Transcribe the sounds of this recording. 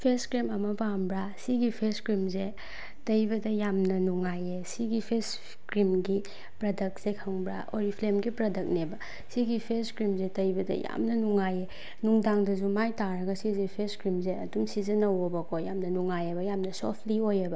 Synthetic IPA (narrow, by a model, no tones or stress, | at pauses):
pʰeskɾimɐmɐpambɾasiɡipʰeskɾimze | tɐjbɐdɐjamnɐnuŋajesiɡipʰes | kɾimɡi | pɾɐdɐk̚sekʰɐŋbɾa̰o̰ɾipʰlemɡipɾɐdɐk̚nebɐ | siɡipʰeskɾimzetɐjbɐdɐ̰ja̰mnɐnuŋaje | nuŋdaŋdɐzumajtaɾɐɡɐsizepʰeskɾimzeɐ̰dumsizɐnɐwobɐkojamnɐnuŋajɐbɐjamnɐsopʰliojɐbɐ